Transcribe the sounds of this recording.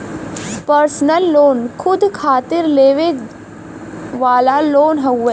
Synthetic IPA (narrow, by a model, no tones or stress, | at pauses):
pəɾsnəlːoːnkʰʊd̪kʰaːt̪ɪɾleːʋe | ʋaːlaloːnɦɐʊeː